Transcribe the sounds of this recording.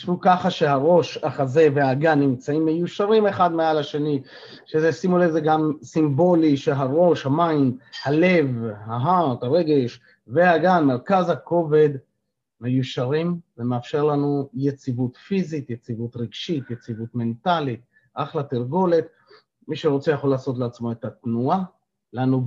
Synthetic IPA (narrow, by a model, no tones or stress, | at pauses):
ʃvukaχaʃe̞ɦaʁo̞ʃaχaze̞ve̞haɡanːimt͡saimːe̞juʃaʁime̞χad̪mealaʃe̞ni | ʃezesimulezeɡamsimbo̞liʃeɦaʁo̞ʃhamainhale̞vhaɦataʁe̞ɡe̞ʃ | ve̞haɡanme̞ʁkazhako̞ve̞d̪ | me̞juʃaʁimvemeafʃe̞ʁlanujet͡sivut̪fizit̪jet͡sivut̪ʁiɡʃitjet͡sivut̪me̞ntalit̪̚ | ʔaχlat̪iʁɡo̞le̞t̪ | miʃeʁo̞t͡se̞jaχo̞laːso̞t̬leat͡smo̞et̪at̪nua | lanu